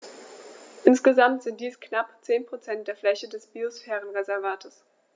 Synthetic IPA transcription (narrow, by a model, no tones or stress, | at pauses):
ʔɪnsɡ̥əzamtz̥ɪnt̚d̥iːsknapt͡seːnpʁ̥ot͡sɛnt̚d̥eːɐflɛçədɛsb̥iosfɛːʁ̞ənʁezɛɐvaːtʰəs